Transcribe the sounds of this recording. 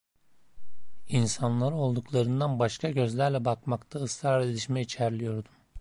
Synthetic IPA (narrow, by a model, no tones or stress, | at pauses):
insanlˠaɾɯo̞lˠd̪uklˠaɾɯnd̪anbaʃkʰaɟø̞zlʲæɾlʲɛbakmakt̪ʰaɯsɾaɾed̪iʃmɛit͡ʃʰæɾlʲijo̞ɾd̪um